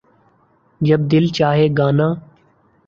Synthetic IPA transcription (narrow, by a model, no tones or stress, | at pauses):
d͡ʒəb̚d̪ɪlt͡ʃaːɦeːɡaːnãː